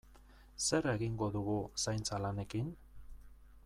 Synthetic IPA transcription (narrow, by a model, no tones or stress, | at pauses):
se̞ɾe̞ɣiŋɡo̞ðuɣusajnt͡salane̞kin